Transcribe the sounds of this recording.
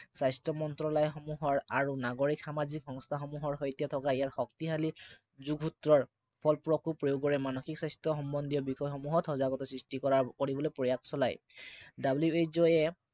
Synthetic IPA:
sajstɔmɔntɹɔlajxɔmuɦɔɹaɹunaɡoɹikxamazikxɔŋstʰaxɔmuɦɔɹɦojtijatʰɔkaijaɹxɔktiɦali | zuɡʱutɹɔɹ | pʰɔlpɹɔkupɹojoɡɔɹɛmanɔxiksajstɔxɔmbɔndijɔbixɔjxɔmuɦɔthɔzaɡɔtɔsɹistikɔɹakoɹibɔlojpɹɔjak̚sɔlaj | dabljuejzɔjɛ

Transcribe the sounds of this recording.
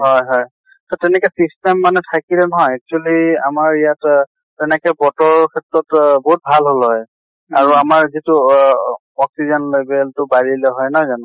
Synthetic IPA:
ɦɔjɦɔj | tɔtɛnɛkɛsistɛmːanɛtʰakilɛnɔɦɔjɛk̚t͡ʃualia̰maɹijat | tɛnɛkɛbɔtɔɹkʰɛtɹɔtbɔɦut̚bʱalɦolɦɔj | aɹuamaɹzitu | ɔksizɔnlebɛltʊbaɹilɛɦɔjnɔjzanʊ̃

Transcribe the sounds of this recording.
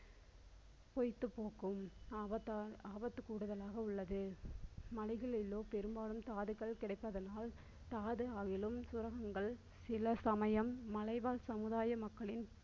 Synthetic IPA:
pɔjt̪ːɯpːoːkɯmːɐaːbɐt̪ːɯkːuːɽɯðɐlaːɣɐʊɭːɐðɯmɐlɐɪɣɐɭɪlːoːpɛɾɯmbaːɽɯmt̪aːðɯɣɐɭkɪɽɐɪpːɐðɐnaːl | t̪aːðɯaːɣɪlɯmsʊɾɐɣɐŋɡɐɭ | sɪlɐsɐmɐjɐmːɐlɐɪʋaːlsɐmɯðaːjɐmɐkːɐɭɪn

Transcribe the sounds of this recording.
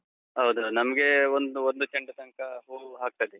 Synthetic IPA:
ɦɐwd̪unɐmɐɡeond̪uond̪ut͡ʃɐɳɖɐt̪ɐŋkɐɦuːɦaːk̚t̪ɐd̪e

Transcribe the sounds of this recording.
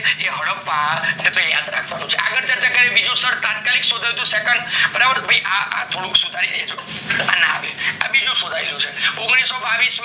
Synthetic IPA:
ɦeɦəɽəpʋanet̪õja̰d̪ɾa̰kʰʋanũt͡ʃʰeʔa̰ɡəɾd͡ʒəɾd͡ʒəɡaebid͡ʒũst̪ʰəɾt̪at̪̚kaliksod̪ʱajid̪ũsekəɳɖbəɾabəɾt̪ʰbʱaiʔaʔa̰t̪ʰoɽũksud̪ʱaɾiɾəɦet͡ʃʰo | a̰naa̰ʋea̰bid͡ʒũsod̪ʱaiɾut͡ʃʰeɔ̃ŋɡɽisːobaʋism

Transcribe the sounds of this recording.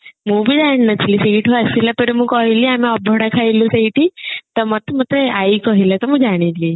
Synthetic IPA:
mũːbʱid͡ʒaɳ̃nətʰlisiiʈʰɦoasilapəɾemũkɔɦiliamiɔbʱɔɽakʰajlũsəiʈit̪ɔmət̪mət̪ɾeaikɔɦilat̪ɔmũd͡ʒaɽ̃ili

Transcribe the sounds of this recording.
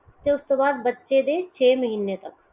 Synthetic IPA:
t̪eʊst̪obaːd̪̚bɐtːʃed̪eːt͡ʃʰeːməɦiːnet̪ɐk

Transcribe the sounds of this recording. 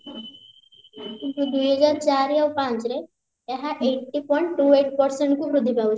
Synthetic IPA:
ɡud̪uɦəd͡zaɾt͡ʃaɾiaʋpãt͡ʃɾe | eɦaʔeʈːipɔ̃ɳʈʈːueʈ̚pəɾsəɳʈkukɾʊd̪ʱːipau

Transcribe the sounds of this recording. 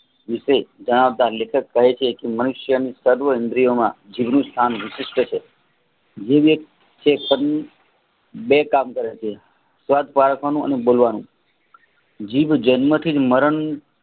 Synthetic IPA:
ʋɪʃəd͡ʒəɽ̃aʋd̪aɾlekʰəkːəɦet͡ʃʰekemənʊʃjənisəɾʋəɦɪnd̪ɾijomã̰d͡ʒiʋnũst̪ʰanʋɪʃɪʃʈ̪ət͡ʃʰe | d͡ʒeʋjək̚t̪ | t͡ʃʰepən | bekamkəɾet͡ʃʰe | sʋad̪ʱpaɾəkʰʋanũə̰nebolʋanṵ̃ | d͡ʒiʋd͡ʒənmət̪ʰid͡ʒməɾəɳ

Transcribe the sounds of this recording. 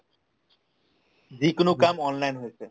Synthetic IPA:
d͡ʑikonokamɔnlajnɦojet͡ɕʰe

